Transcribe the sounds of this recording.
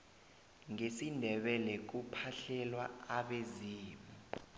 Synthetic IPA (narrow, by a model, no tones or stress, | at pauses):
ŋesindʱɛɓɛlɛk̬upʰaɬɛlwa̰aɓeziːmu